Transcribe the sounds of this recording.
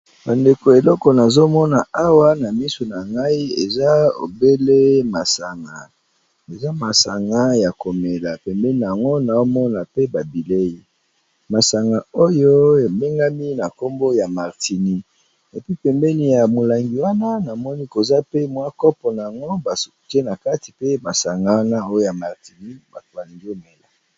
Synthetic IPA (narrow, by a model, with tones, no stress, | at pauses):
ba˨nde˨ko˨e˨lɔ˦kɔ˨na˨zo˦mɔ˦na˨a˦wa˦na˨mi˦so˨na˨ŋɡa˦i˦ḛ˨za˦o̰˨be˦le˦ma˨sa˨ŋɡa̰˨ | e˨za˦ma˨sa˨ŋɡa˦ja˨ko˨me˨la˨pɛ˨mbɛ˦ni˨a˨ŋɡo˦na˨o˦mɔ˦na˨pe˦ba˨bi˨le˦ji˨ | ma˨sa˨ŋɡa˨o˦jo˦e˨be˦ŋɡa˦mi˦na˨ko˦mbo˦ja˨ma˨ʁtʰi˨ni˦ | e˨pi˦pɛ˨mbɛ˦ni˨ja˨mo˨la˨ŋɡi˨wa˦na˦na˨mɔ˦ni˦ko˨za˦pe˦mwa˦kɔ˦pɔ˨na˨a˨ŋɡo˦ba˨so˨te˦na˨ka˦ti˨pe˦ma˨sa˨ŋɡa˨wa˦na˦o˦jo˦ja˨ma˨ʁti˨ni˦ba˨to˨ba˨li˨ŋɡi˦o˦me˨la˨